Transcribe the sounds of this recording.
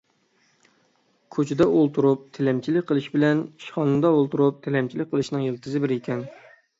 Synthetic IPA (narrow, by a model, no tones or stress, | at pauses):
kʲʰøt͡ʃʰɪd̪ɛʔolˠt̪ʰuɾup̚t̪ʰelɛmt͡ʃʰilɪkʲqʰəlˠɨʃbɪlɛni̥ʃχɑnɨnd̪ɑolˠt̪uɾup̚t̪ʰelɛmt͡ʃʰilɪkʲqʰəlˠɨʃnɨŋjelˠt̪ʰɨzɨbɪɾekʲʰɛn